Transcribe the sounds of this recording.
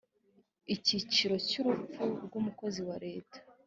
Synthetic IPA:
icit͡ʃiɾo̞cuɾup͡fuɾɡumuko̞ziwaɾe̞ːtḁ

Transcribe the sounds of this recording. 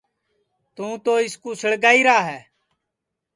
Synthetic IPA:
t̪ũːt̪oːɪskuːsəɽɡaːiːɾaːɦɛː

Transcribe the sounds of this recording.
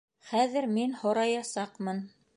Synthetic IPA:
χæðɘ̆ɾminhŏɾɑjɑsɑqmɤn

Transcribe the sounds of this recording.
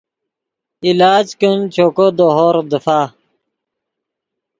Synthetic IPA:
ilaːd͡ʑkənt͡ɕʰoːkod̪oɦoːɾd̪əfaː

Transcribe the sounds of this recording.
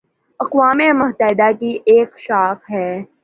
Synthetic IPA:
ɐqʋaːmemʊɦt̪əɦɪd̪akiʔeːkʃaːxɦɛː

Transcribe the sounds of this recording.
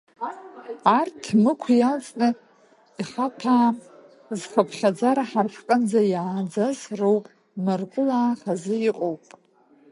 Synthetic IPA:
artʰmɨkʷʰjalt͡sʼnɨ | iχapʰaːm | zχʷapʰχʲad͡zaɾaħarħqʼənd͡zajaːd͡zazrowpʼ | mɨrkʷʼʊlaːχazɨiqʼowpʼ

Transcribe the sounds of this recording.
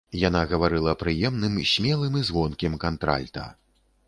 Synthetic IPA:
janaɣɐvaɾɨlˠɐpɾɨjɛmnɨmsʲmʲɛlˠɨmizvɔnkʲɛmkant̪ɾa̰lʲt̪ɐ̰

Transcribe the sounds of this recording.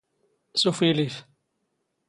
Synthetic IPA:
sufilif

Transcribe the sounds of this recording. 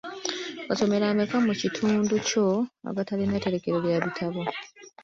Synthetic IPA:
kaso̞me̞ɾamekamucitʰuːnduco̞a̰ɡatalinete̞ɾe̞ke̞ɾeljaβitʰaβo̞

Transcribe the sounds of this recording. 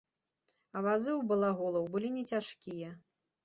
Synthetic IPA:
ɐvazɨwbɐlˠaɣɔlˠɐwbɨlʲinʲɛt͡sʲaʂkʲijɐ

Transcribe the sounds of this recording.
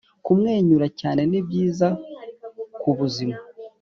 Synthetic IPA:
kumŋe̞ːɲuɾacaːne̞nibjiːza | kuβuzima

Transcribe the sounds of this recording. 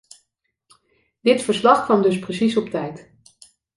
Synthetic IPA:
d̥ɪtfəɹslɑχkʋɑmdɵsprəsisɔp̚tɛjt

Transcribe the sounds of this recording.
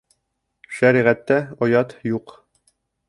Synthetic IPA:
ʃæɾiʁæt̪ːæɒjɑt̪juq

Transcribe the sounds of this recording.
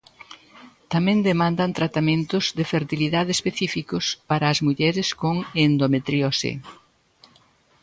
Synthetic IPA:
t̪amẽnd̪emãnd̪ɐnt̪ɾat̪amẽnt̪ʊzðɪfeɾt̪iliðaðeːspeθifikʊspaɾɐːzmuʎɛɾɪskoŋend̪omet̪ɾjosḛ

